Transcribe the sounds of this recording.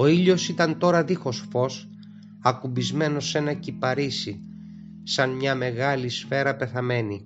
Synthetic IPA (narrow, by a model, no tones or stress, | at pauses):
o̞iʎo̞sit̪ɐnt̪o̞ɾɐðixo̞sfo̞s | ɐkubizme̞no̞se̞nɐcipɐɾisi | sɐnmɲɐme̞ɣɐlisfe̞ɾɐpe̞θɐme̞ni